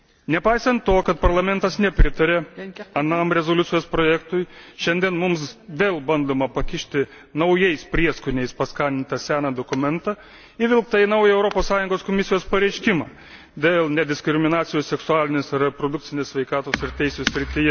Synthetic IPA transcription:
nʲɛpɐɪsɐnt̪t̪oːkɐt̪̚pɐɾlˠɐmʲɛnt̪ɐsnʲɛpʲɾʲɪt̪ɐɾʲeːɐnɐmɾʲɛzoːlʲʊt̪sʲɪjoːspɾoːjɛːkt̪ʊjʃʲɛnʲd̪ʲiɛnmʊmsʋʲeːlˠbɐnd̪oːmɐpɐkʲɪʃʲt̪ʲɪ | nɐʊjɛɪspʲɾʲiɛskʊnʲɛɪspɐskɑːnʲnʲɪnt̪ɐsʲæːnɐd̪oːkʊmʲɛnt̪ɐ | ɪʋʲɪlˠkt̪ɐɪnɐʊjɛɛʊɾopoːssɑːjʊŋɡoːskoːmʲɪsʲɪjoːspɐɾʲɛɪʃʲkʲɪmɑ̰ː | d̪ʲeːlˠnʲɛd̪ʲɪskɾʲɪmʲɪnɑːt̪sʲɪjoːssʲɛksʊɑːlʲɪnʲesɐrʲɛpɾoːd̪ʊk̚tsʲɪnʲessʲʋʲɛɪkɑːt̪oːsɪɾt̪ʲɛɪsʲːsʲɾʲɪt̪ʲɪjɛ

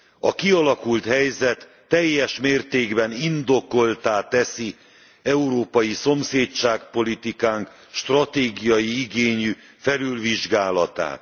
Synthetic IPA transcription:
ɒkiɒlɒkult̪hɛjzɛt̪ːɛjːɛʃmeːrt̪eːɡbɛnind̪o̞ko̞lt̪aːt̪ɛsi | ɛuɾoːpɒjiso̞mseːt͡ʃaːk̚po̞lit̪ikaːŋk | ʃt̪rɒt̪eːɡijɒjiiɡeːɲy | fɛlylviʒɡaːlɒt̪a̰ːt̪

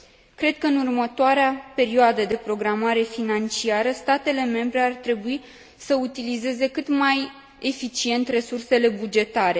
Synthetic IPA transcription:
kɾe̞d̪̥̚kəɨnurmət̪oaɾeape̞ɾioad̪əd̪e̞pɾo̞ɡɾamaɾe̞finant͡ʃiaɾəst̪at̪e̞le̞me̞mbɾe̞art̪ɾe̞bui | səut̪ilize̞ze̞kɨt̪maj | e̞fit͡ʃie̞nt̪re̞surse̞le̞bud͡ʒe̞t̪aɾe̞

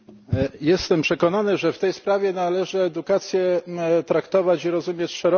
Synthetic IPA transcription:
jɛst̪ɛmpʂɛkɔnanɘʐɛft̪ɛjspɾavʲjɛnalɛʐɘɛd̪ukat̪sʲjɛt̪ɾakt̪ɔvat͡ɕiɾɔzumʲjet͡ɕʂɛɾɔ

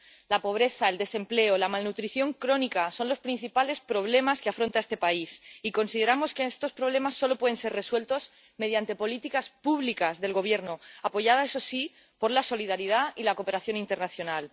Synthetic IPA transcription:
lapo̞β̞ɾe̞θae̞ld̪e̞se̞mple̞olamalnut̪ɾiθjo̞ŋkɾo̞nikaso̞nlo̞spɾin̟θipale̞spɾo̞β̞le̞maskeafɾo̞nt̪aest̪e̞paisiko̞nsið̞e̞ɾamo̞skeest̪o̞spɾo̞β̞le̞masːo̞lo̞pwe̞ðe̞nse̞re̞swe̞lt̪o̞z | me̞ðjant̪e̞po̞lit̪ikaspuβlikazðe̞lɣo̞β̞je̞ɾnoapo̞ʝað̞ae̞so̞si | po̞ɾlaso̞liðaɾið̞ailako̞pe̞ɾaθjo̞nint̪e̞ɾnaθjo̞nal

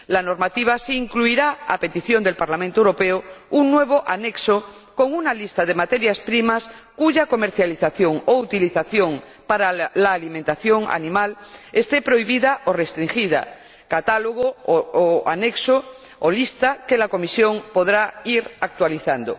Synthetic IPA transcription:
lanoɾmat̪iβ̞asiːŋkluiɾaape̞t̪iθjo̞nd̪e̞lpaɾlamẽnt̪oewɾo̞peouŋnweβ̞oʔaneksoko̞ŋunalist̪aðe̞mat̪e̞ɾjaspɾimaskuʝako̞me̞ɾθjaliθaθjo̞ŋout̪iliθaθjo̞ŋ | paɾalaːlimẽnt̪aθjoŋa̰nĩmalest̪e̞pɾo̞iβ̞iðaʔorest̪ɾiŋxiða̰ | kat̪aloɣ̞ooa̰nekso | olist̪akelako̞misjo̞ŋpo̞ðɾaiɾak̚t̪waliθand̪o̰

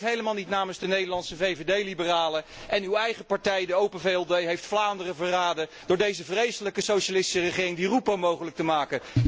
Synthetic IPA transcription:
ɦejləmaːlˠnitnaːmənzdənejdəɹlɑntsəvejvedejlibəraːləɛnywɛjχəpɑɹtɛjdəowpənveɛlˠdejɦejftflaːndərəvəraːdə | d̥ʊːɹdejzəvrejsələkəsowʃalɪsti̥sərəχɪːrɪŋdirupowmowχələk̚təmaːkə

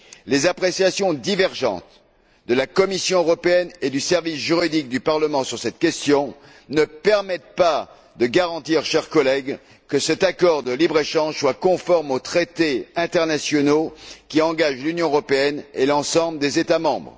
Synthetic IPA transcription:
lezapχesjasjɔ̃d̪ivɛʁʒɑ̰̃t̪ | d̪əlakɔmisjɔ̃øʁɔpeɛned̪ysɛʁvisʒyʁid̪ik̚d̪ypaʁləmɑ̃syʁsɛt̪̚kʲɛst̪jɔ̃ | nəpɛʁmɛt̪̚pa | d̪əɡaʁɑ̃t̪iʁʃɛʁkɔlɛɡ | kəsɛt̪akɔʁd̪əlibʁeʃɑ̃ʒswakɔ̃fɔʁmot̪χet̪eɛ̃t̪ɛʁnasjɔnokʲiɑ̃ɡaʒlynjɔ̃øʁɔpeɛnelɑ̃sɑ̃bləd̪ezet̪amɑ̃bʁ

